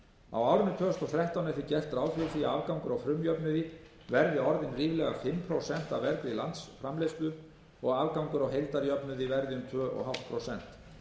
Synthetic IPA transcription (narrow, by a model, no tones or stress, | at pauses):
a̰waːwɾɪnːʏt̪ʰœːst̪ɔθɾɛht̪awnɛfθɪcɛr̥t̪ɾaːwfjɔθiaaːvkawŋkʏɾawfɾʏmjœpnʏðɪ | vɛɾðɪɔɾðɪnriːvlɛɣafɪmpʰɾowsɛn̥t̪avvɛɾkɾilant̪sfɾamlejst̪lʏ | ɔɣaːvkawŋkʏɾawɦejlt̪aɾjœpnʏðivɛɾðɪʏmt̪ʰvœːʔɔ̰ɦafl̥t̪̚pʰɾowsɛn̥t̪